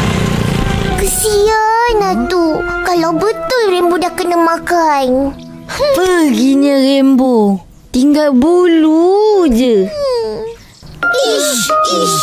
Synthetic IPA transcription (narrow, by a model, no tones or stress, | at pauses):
kəsianat̪ukalawbət̪ʊlɾembodahkənamakan | pəɡiɲərembo | t̪iŋɡalbulud͡ʒə